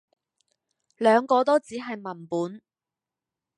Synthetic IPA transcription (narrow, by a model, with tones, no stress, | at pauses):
lœː˨˧ŋkɔː˧t̪o˥wt͡siː˨˥ɦɐ˨jmɐ˨˩npuː˨˥n